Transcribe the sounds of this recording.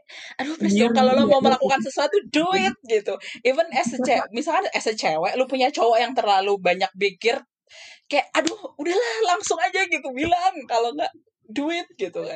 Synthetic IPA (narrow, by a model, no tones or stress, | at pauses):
adopɛsdɔkalolomaməlakukansəsuat̪uduɪt̪̚ɡit̪uivənɛsət͡ʃɛmisalkanɛsət͡ʃewɛʔlupuɲat͡ʃɔwɔjaŋt̪ərlalubaɲak̚bikɪr | kajaʔadohudahlahlaŋsʊŋad͡ʒaɡit̪ubilaŋkaloŋɡaʔ | duɪt̪̚ɡit̪uka